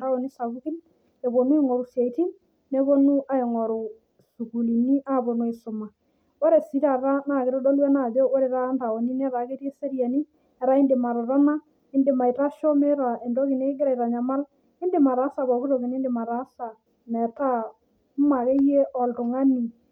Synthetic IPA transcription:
da˦wɔ˨ni˦sa˨ku˦ki˦n | e˨βo˨nu˦e˦˨ŋɔ˨ɾu˨sja˨i˨ti˦n | ne˦bo˦nu˦ʔa˦ɪ˨ŋɔ˨ɾo˨ | su˨ku˨li˨ni˦ʔa˦˨bo˨no˦e˨sʊ˨ma˨ | o˦ɾe˨si˨˦ɾa˨ɾa˦na˦˨kɪ˨ɾɔ˦dɔ˦lwɛ˦na˨d͡ʒo˦o˦ɾe˨ta˦nda˨wɔ˨ni˦nɛ˦ɾa˨˦ke˦ɾje˦se˦ɾja˨ni˦ | ɛ˨ɾa˦ɪ˦ndɪ˨ma˨ɾa˨ɾa˦na˦ | ɪ˦ndɪ˨ma˨i˨ta˦ʃɔ˦me˦ɾa˨ʔe˨ndo˦ki˨ne˦ɪ˦ɡɪ˦ɾa˨i˨ta˨ɲa˨ma˦l | ɪ˦ndɪ˨ma˨ɾa˨˦sa˨βɔ˨ku˦ɾo˨ki˨nɪ˦ndɪ˨ma˨ɾa˦sa˨ | mɛ˨ta˦ | m˦ma˨ɣe˦je˦ʔɔ˨ltʊ˨ŋa˦ni˨

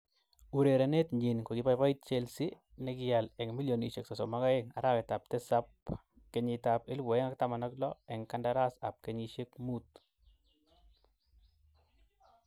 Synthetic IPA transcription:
u˨ɾe˨ɾe˨ne˦tɲi˨nko˨ki˨˦pa˦jpa˦it̚t͡ʃe˦lsi˦ | ne˦kɪja˨lɛ˨ŋmi˦ljo˨ni˨ʃe˨ksa˨so˨ma˦ka˦e˦ŋa̰˨ɾa˦ke˨ta˨p̚te˦sap̚ | ke˨ɲɪ˨ta˨pe˦lwɔ˨e˦ŋa˦k̚ta˦ma˨nɔ˦klɔ˦ɛ˨ŋka˦ndaɾa˦sa̰˨p̚ke˦ɲiʃe˦kmu˦t̚

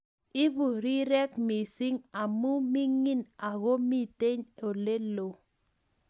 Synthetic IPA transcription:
i˦vu˨ɾi˦ɾɛ˦kmi˨si˦ŋa˨mu˦mi˦ŋi˦na˨ɣo˦mi˦te˦ɲo˨le˦lo˨

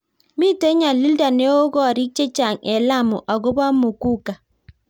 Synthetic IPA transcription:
mi˦˨te˦ɲa˨li˦lda˨ne˦o˦ɡɔ˦˨ɾi˦t͡ʃe˦t͡ʃa˨ŋe˨la˦˨mʊ˨ʔa˨ɡo˦ba˦mo˨ku˦ka˨

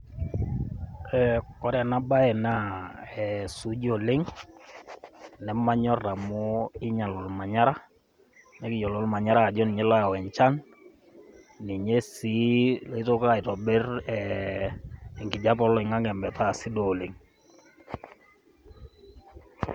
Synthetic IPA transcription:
ɛkɔ˨˦ɾɛ˨na˦ba˦ɛ˨na˦˨ɛsu˨˦d͡ʒo˨le˦ŋ | nɛ˨ma˦ɲɔ˦ra˨mɔ˦ɪ˦ɲa˨lɔ˨lma˨ɲa˦ɾa˦ | nɛ˦kɪ˨jɔ˨lɔ˦lma˨ɲa˦ɾaː˨d͡ʒɔ˦ni˨ɲɛ˦la˦˨wɛ˨ɲt͡ʃa˦n | ni˨ɲe˦si˦li˦to˦ka˦ɪ˨tɔ˨be˦rɛ˨ | ŋɡi˨d͡ʒa˦p̬ɔ˦lɔ˨ɪ˨ŋa˦ŋɛ˨mbɛ˨ta˦˨si˦do˨le˨ŋ

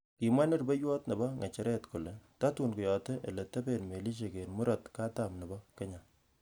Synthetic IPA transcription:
ki˨mwa˦ne˦rbe˦jwɔ˦tne˨bɔ˦ŋɛ˨t͡ʃɛ˦ɾʔɛ˦tko˨le˨ta˦tu˨nkʊ˨jɔ˨te˦ʔe˨le˨te˦be˦nme˨li˦ʃ̬e˨ke˨nmu˦ɾɔtka˦ta˨mne˨bɔ˦ke˦ɲa˨

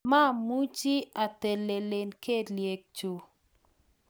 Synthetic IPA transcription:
ma˦˨mu˦t͡ʃi˦a˨te˨le˨le˨nke˦lje˨k̚t͡ʃu˨

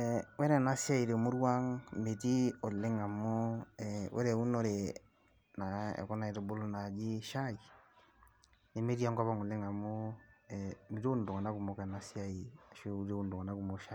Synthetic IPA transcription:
ɛwɛ˦ɾɛ˨na˦sja˦i˨ɾe˨mu˦ɾwa˦ŋme˨ti˦o˨le˦ŋa˨mo˦ɛwʔɛ̰˦ɾɛ˨u˦no˦ɾe˨ | na˨ɛ̰˨kɔ˦na˨e˨to˨bo˦lo˦na˨d͡ʒi˦ʃa˦i˨ | ne˨me˦ɾi˦a˦ŋkɔ˦βa˦ŋo˨le˦ŋa˨mo˦ɛmi˨ɾo˦n˨do˨ŋa˨na˦ku˨mo˨kɛ˨na˦sja˦i˨ʃo˦u˦ɾe˦o˦ndo˨ŋa˨na˦ku˨mo˨ʃa˦

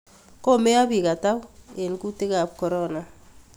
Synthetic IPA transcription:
ko˦me˦a˦bi˨ka˨ta˦we˨nku˦te˦ka˨p̚kɔ˨ɾɔna˨

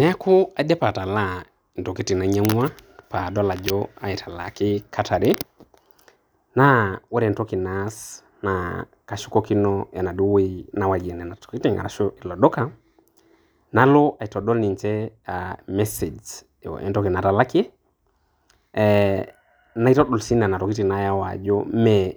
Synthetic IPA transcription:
nɛ˦a˦kʰu˦a˨dɛ˦pa˨ta˨la˦ | n˨tɔ˨ki˦ti˨na˨ɲa˦ŋwa˦pa˨dɔ˦la˨d͡ʒɔ˦a˨i˨tʰa˨la̰˨kɪ˦kʰa˦tʰa˨ɾɪ˦ | na˦wɛ˦ɾɛ˨ntɔ˦ki˨nas | na | ka˨ʃu̥˦kɔ˦ki˦nɔja̰˨na˨ɗu˦we˦na˨wa˨d͡ʒe˨nɛ˨na˨to̥˨ki˦ti˦ŋɡa̰na˨ʃi˨lɔ˨dɔ˦ka | na˦lo˦ʔa˨i˨tɔɗɔ˦lni˨ɲt͡ʃɛamɛse˨d͡ʒ | o̰ʔɛ̰ntɔ˦ki˨na˨ta˨la˦ki˦ | na˨i˦tɔ˦ɗɔ˨lsi˦na˨na˨tɔ˨ki˦ti˨na˨jawa̰˨d͡ʒɔmɛ

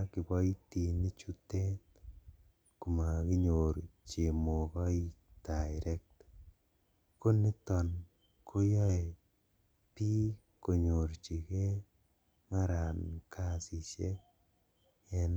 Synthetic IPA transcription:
kɪ˨bɔ˦i˦ti˨ni˦t͡ʃu˦te˦t | ku˨ma˨ki˦ɲo˨ɾt͡ʃe˨mo˨kɔ˦i˦daɪɾɛ˦k̚t | ko˦ni˦tɔ˨n | kʰo˦jɔ˦e˨ | pi˦ | ko˨ɲo˨ɾt͡ʃi˨ke˦ | ma˦ɾa˨nkʰa˦si˨t͡ʃe˦ | ɛ˨n

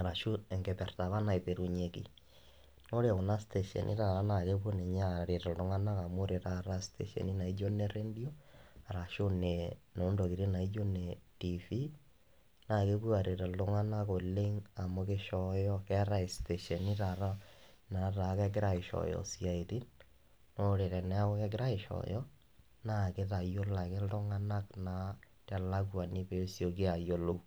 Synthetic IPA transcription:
a˨ɾa˨ʃu˦ɛŋɡe˨pɛ˨rta˨βa˦na˨epe˨ɾu˨ɲekḭ˨ | no˦ɾe˨ɣo˨na˦stɛ˨ʃɛ̰nʔḭ˦ɾaɾa˦na˨ke˦pwo˦ne˨ɲa˦ɾe˨tɔ˨ldo˦ŋa˦na˦ka˨mo˦ɾe˨ɾaɾa˦stḛʃɛ̰ni˦na˨i˦d͡ʒo˦nɛɾe˦ndio˦a˨ɾa˨ʃo˦ne | no˨˦ndo˨ki˨ɾe˦na˨i˦d͡ʒo˦netifi˦ | na˨ke˦βwo˦a˨ɾe˨ɾa˨o˦ŋa˦na˦ko˨le˦ŋa˨mo˨ke˦ʃɔjɔ˦kɛ˦ɾa˦i˨ste˨ʃɛ˨ni˦ɾa˨ɾa˦na˨ɾa˨kɛ˦ɡɾa˦i˨ʃɔ̰˨jɔ̰sja˨e˨ɾi˦n | nɔ˦ɾe˨ɾɛ˨nɛ˦a˦o˦kɛ˦ɡɾa˦i˨ʃɔ̰˨jɔ˦ | na˦ke˦ða˨jo˦la˨ke˦ldo˦ŋa˦na˦kna˨˦ | ta˨la˦kwa˨ne˦pe˦sjo˨ke˦a˨jo˦lo˦

